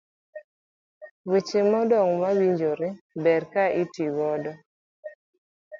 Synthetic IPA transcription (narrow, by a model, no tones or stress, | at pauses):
wet͡ʃɪmɔdɔŋmawiɲd͡ʒoɾebɛɾkaʔitiɡɔdɔ